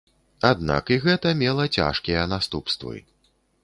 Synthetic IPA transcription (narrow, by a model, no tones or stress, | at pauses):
ad̪na̰kiɣɛt̪ɐmʲɛlˠɐt͡sʲa̰ʂkʲijɐnast̪upst̪vɨ̰